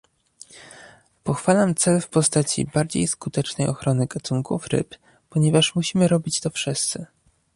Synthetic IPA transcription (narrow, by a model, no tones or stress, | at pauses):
pɔxfalamt̪sɛlfpɔst̪at͡ɕḭbaɾd͡ʑḛjskut̪ɛt͡ʂnɛjʔɔxɾɔnɘɡat̪uŋkufɾɘ̰pː | ɔɲɛvaʂmuɕimɘɾɔbʲit͡ɕt̪ɔfʂɘst̪sɘ